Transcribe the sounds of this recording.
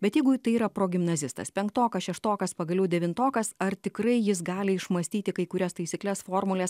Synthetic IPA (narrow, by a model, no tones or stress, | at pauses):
bʲɛt̪jɛɪɡʊt̪ɐɪiːɾɐpɾoːɡʲɪmnɐzʲɪst̪ɐ̰spʲɛŋkt̪oːkɐʃʲɛʃt̪oːkɐspɐɡɐlʲɛʊd̪ʲɛʋʲɪnt̪oːkɐsɐɾt̪ʲɪkɾɐɪjɪsɡɑːlʲɪɪʃmɐsʲt̪ʲiːt̪ʲɪkɐɪkʊɾʲɛst̪ɐɪsʲɪklʲɛsfoːɾmʊlʲɛːs